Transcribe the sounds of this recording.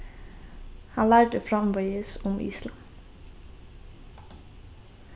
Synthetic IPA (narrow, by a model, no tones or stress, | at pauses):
hɑnlæːɖəfɾɑmʋœʏəsʊmʔḭːslɑn